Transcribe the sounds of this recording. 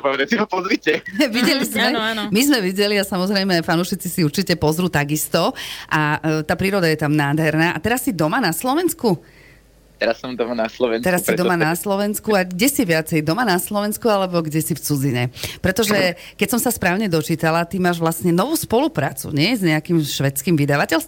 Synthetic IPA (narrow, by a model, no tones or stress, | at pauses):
pɔʋɛd̪asimapɔzɾicɛʋiɟɛlizmmɛnmizmɛʋiɟɛliasamɔzɾɛjmɛajfanuʃit͡sisiuɾt͡ʃicɛpɔzɾuːt̪aɡist̪ɔʔat̪aːpɾiːɾɔd̪ajɛt̪amnaːd̪ɦɛɾnaːʔat̪ɛɾasːid̪ɔmanaslɔʋɛnsku | t̪ɛɾasːɔmd̪ɔmanaslɔʋɛnɛɾassːid̪ɔmanaslɔʋɛnskuaɡɟɛsiʋɪat͡sɛjd̪ɔmanaslɔʋɛnskualɛbɔɡɟɛsift͡sud͡ziɲɛpɾɛt̪ɔʒɛ | kɛcsɔmsaspɾaːʊɲɛd̪ɔt͡ʃiːt̪alat̪imaːʒʋlasɲɛnɔʋuːspɔlupɾa̰ːt͡sṵɲɪɛjzɲɛakimʃʋɛt͡skiːmʋid̪aʋacɛls